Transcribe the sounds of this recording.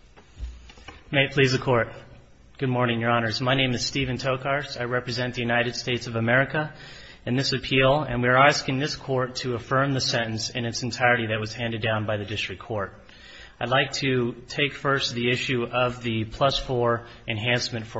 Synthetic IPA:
meɪpʰl̥izɨkʰɔɹt̚ | ɡ̥ʊd̚mɔɹnɪ̃ŋjə˞ɑnə˞zmaɪnẽɪ̃mɨz̥stivɨ̃ntʰoʊkʰɑɹsaɪɹɛpɹɨzɛ̃nðɨjʉnaɪɾɨd̥steɪtsʌvəmɛɹɨkə | ɨ̃nðɪsɨpʰilˠɨ̰̃nwiə˞æskɪ̃ŋðɪskʰɔɹtʰɨəfɜ̃˞mðɨsɛ̃ɾ̃n̩sɨ̃nɨtsn̩tʰaɪə˞ɾiðɨt̚wʌz̥hæ̃ndɨdãʊ̃nbaɪðɨdɪstɹ̥ɨkʰɔɹɾ | aɪdˡlaɪk̚tʰɨtʰeɪkfɜ˞st̪̚ðiɪʃʉʌvðɨpʰl̥ʌsfɔɹ | ɨ̃nɦæ̃nsmɨ̃ntfə

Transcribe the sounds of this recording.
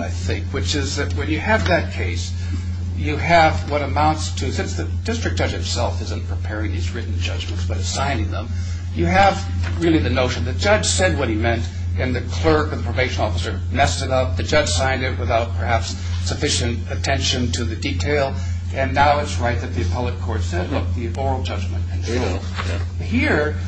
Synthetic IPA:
aɪθɪ̃ŋkwɨt͡ʃɪzðɨt̚wɨ̃njɨːvðɨt̚kʰeɪs | jɨɨvwʌɾɨmãʊ̃ntstʰɨsɪ̃nsðɨ | d̥ɪstɹ̥ɨk̚d̥ʒ̥ʌd͡ʒɨtsɛlˠfɪzɨ̃npʰɹ̥ɨpʰɛɹɪ̃ŋðizɹɪʔn̩d͡ʒʌd͡ʒmɨ̃ntsb̥ʌɾɨ̥sãɪ̃nɪ̃ŋðə̰̃m | jɨəv | ɹɪlˠiðɨnoʊʃɨ̃nðɨ̥d͡ʒ̥ʌ̥ʒ̥sɛd̚wʌɾ̚himɛ̃nt | ɨ̃nðɨkʰl̥ɜ˞kʌvðəpʰɹ̥ɨvbeɪʃɨ̃nɔfəsə˞ | mɛstɨɾʌp̚ðɨd͡ʒʌd̥ʒ̥sãɪ̃ndɨt̚wəθaʊt̚pʰə˞hæpsː | ɨfɪʃɨ̃ntɨtʰɛ̃nʃɨ̃ntʰɨðɨditʰeɪlˠ | ʔɨ̃nːaʊɨtsɹaɪt̪̚ðɨt̪̚ðiɨpʰɛlˠɨkʰɔɹtsɛdˡlʊk̚ði | ɔɹl̩ˠd͡ʒʌd͡ʒmɨ̃ntɨ̃ntʰɹo | hiɹ

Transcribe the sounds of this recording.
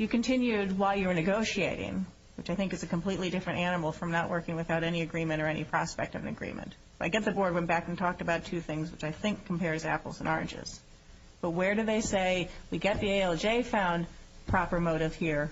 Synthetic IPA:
jɨkɨ̃n̩tʰɪ̃njʉd̚waɪlˠjə˞nɨɡoʊʃieɪɾɪ̰̃ŋ | wɨt͡ʃaɪθɪ̃ŋkɨzɨkm̩pʰl̥itˡlidɪfɹɨ̃ñtænəml̩ˠfɹʌ̃mnəʔ̚wʔɜ˞kɪ̃ŋwɨθaʊɾɛniɨɡɹĩmɨ̃ɾ̃ə˞ɛnḭpʰɹ̥ɑspɛ̰k̚tʌvɨ̃nɨ̰ɡɹḭ̃mɨ̰̃nt | ʌaɪɡɛt̪̚ðɨbɔɹd̚wɛ̃nb̥ækn̩tʰɔk̚tɨbaʊtʰʉθɪ̃ŋzwət͡ʃaɪθɪ̃ŋkʰːm̩pɛɹzæ̰pl̩ˠzə̰̃nʔɔɹɨ̰̃nd͡ʒɪ̰z̥ | b̥ʌt̚wə˞ɾɨðeɪseɪwiɡɛt̪̚ðieɪɛlˠd͡ʒeɪfãʊ̃npʰɹ̥ɑpə˞moʊɾɨv̥hiɹ

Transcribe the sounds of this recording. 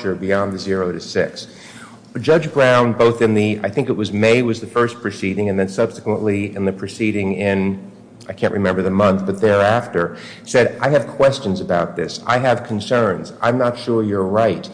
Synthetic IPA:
t͡ʃə˞biɑ̃nðɨzɪɹoʊɾɨsɪks | d͡ʒʌd͡ʒbɹãʊ̃nboʊθɨ̃nðɨa̰ɪθɪ̃ŋkɨt̚wʌzmeɪwʌzðɨfɜ˞spʰɹ̥ɨsiɾɪ̃ŋɨ̃nðɨ̃nsʌb̥sɨ̥kwə̃nʔliɨ̃nðɨpʰɹ̥ɨsiɾɪ̃ŋɪ̃n | aɪkʰæ̃nʔɹʔɨmɛ̃mbə˞ðɨmʌ̃nθb̥ʌt̪̚ðə˞æftə˞ | sɛɾaɪɨv̥kʰw̥ɛst͡ʃɨ̃nzɨbaʊt̪̚ðɪsa̰ɪɨv̥kʰn̩sɜ̃˞nz̥ã̰ɪ̃mnətʃʊɹjə˞ɹaɪt̚

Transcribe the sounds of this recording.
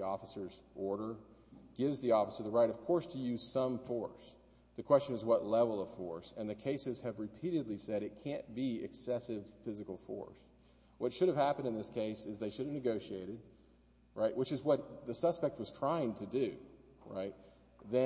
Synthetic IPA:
iɔfəsə˞zʔɔɹɾə˞ɡ̥ɪvzðiɔfə̥sə˞ðəɹaɪɾʌv̥kʰɔɹstʰɨjʉz̥sʌ̃ɱfɔɹs | ðɨkʰw̥ɛst͡ʃɨ̃nɨzwʌtˡlɛvl̩ˠʌv̥fɔɹsɨ̃nðɨkʰeɪsɨz̥ɨvɹɨpʰiɾɨdˡlisɛɾɨt̚kʰæ̃nb̥iɨ̰ksɛsɪv̥fɪzɨkl̩ˠfɔ̰ɹs | wʌtʃʊɾɨv̥hæpɨ̃ndɨ̃nðɪskʰeɪsɨzðeɪʃʊɾɨvnɨɡoʊʃieɪɾɨd̚ | ɹaɪʔwɨt͡ʃɨzwʌt̪̚ðɨsʌspɛk̚t̚wʌz̥tʰɹ̥aɪɪ̃ŋtʰɨdʉ | ɹa̰ɪt̪̚ | ðɨ̃

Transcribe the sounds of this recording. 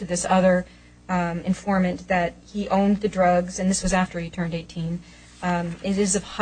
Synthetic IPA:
ɨðɪsʌðə˞ | ɨ̃ɱfɔɹmɨ̃nðɨt̚hiʔõʊ̃nðɨdɹʌɡzɨ̃nðɪswʌzæftʰə˞itʰɜ̃˞ndeɪtʰĩn | ɪɾɪzʌv̥h

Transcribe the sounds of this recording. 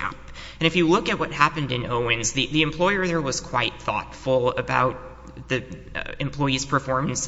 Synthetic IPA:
æ̰p | ɨ̃ñɨfjɨlʊkɨt̚wʌt̚hæpɨ̃ndɨ̃noʊɪ̃nzðiðiɨ̃mpʰl̥ɔɪə˞ðə˞wʌz̥kʰw̥aɪt̪̚θɔ̰tfl̩ˠəba̰ʊt̪̚ | ðɨɨ̃mpʰl̥ɔɪiz̥pʰə˞fɔɹm̃n̩s

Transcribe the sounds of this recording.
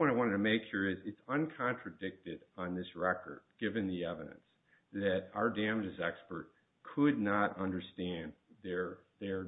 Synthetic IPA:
wʌ̃ñaɪwɑ̃ɾ̃tɨtʰɨmeɪkhiɹɪzɨtsʌ̃nkʰɑ̃nt͡ʃɹ̥ɨdɪk̚tɨɾn̩ðɪsɹɛkə̰˞d̚ɡ̥ɪvɨ̃nðiɛvɨɾɨ̰̃ns | ðɨɾaʊə˞dæ̃md͡ʒɨzɛkspə˞t̚ | kʰədⁿnəɾʌ̃ndə˞stæ̃nðə˞ðə˞

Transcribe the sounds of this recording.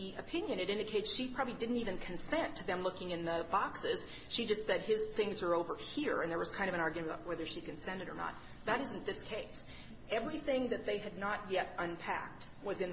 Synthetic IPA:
iɨpʰɪ̃njɨ̃ñɨɾɪ̃ndɨkʰeɪtsʃipʰɹ̥ɑbəblidɪdⁿn̩tivɨ̃nkʰɨ̃nsɛ̃ntʰɨðɨ̃mlʊkɪ̃ŋɨ̃nðɨbɑksɪz̥ | ʃid͡ʒʌstsɛd̚ɪz̥θɪ̃ŋzə˞oʊvə˞hiɹɨ̃nðə˞wʌz̥kʰãɪ̃ndʌvɨ̃nɑɹɡjɨ̃baʊʔ̚wɛðə˞ʃikɨ̃n̩sɛ̃ndɨɾə̰˞nə̰t̪̚ | ðɨɾɪz̃n̩ðɪskʰeɪs | ɛvɹiθɪ̃ŋðɨt̪̚ðeɪɨdⁿnət̚jɛɾə̃npʰæ̰k̚t̚ | wʌzɨ̃n

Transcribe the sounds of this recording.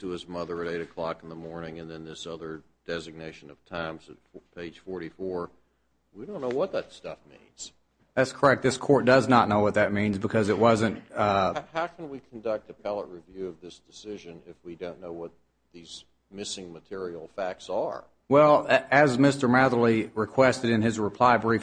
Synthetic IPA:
tʰɨɨzmʌðə˞ɨɾeɪɾɨkʰl̥ɑkn̩ðəmɔɹnɪ̃ŋɨ̃nðɨ̃nðɪsʌðə˞d̥ɛzɨɡ̚neɪʃɨ̃nʌv̥tʰãɪ̃mzɨtpʰeɪd̥ʒ̥fɔɹɾifɔɹ | widõʊ̃nːoʊwʌt̪̚ðɨtstʌfmḭ̃nz̥ | ðætskʰə˞ɛk̚t̪̚ðɪskʰɔɹt̚d̥ʌznətⁿnoʊwʌt̪̚ðɨt̚mĩnzbɨkʰʌzɨt̚wʌzɨ̃nthaʊkʰn̩wikʰn̩dʌk̚t̪̚ɨpʰælˠəʔ̚ɹivjʉʌvðɪsd̥ɨsɪʒɨ̃nɪfwidõʊ̃nːoʊwʌt̪̚ | ðiz | mɪsɪ̃ŋmɨtʰɪɹil̩ˠfæk̚tsə̰˞ | wɛlˠɨzmɪstə˞mæðl̩iɹɨkʰw̥ɛstɨɾɨ̃nɨzɹɨpʰl̥aɪbɹif

